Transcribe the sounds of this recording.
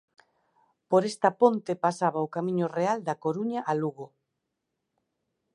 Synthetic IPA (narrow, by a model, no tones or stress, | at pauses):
poɾest̪ɐpont̪epasaβaokamĩɲʊreald̪akoɾuɲaʔaluɣo